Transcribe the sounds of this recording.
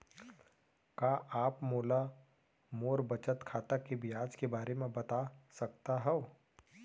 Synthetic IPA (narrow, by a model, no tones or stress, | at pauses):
kaːʔaːpmoːla | moːɾbɐt͡ʃət̪kʰaːt̪akebʱiaːd͡ʒkebaːɾemẽbɐt̪asɐkt̪aɦɛo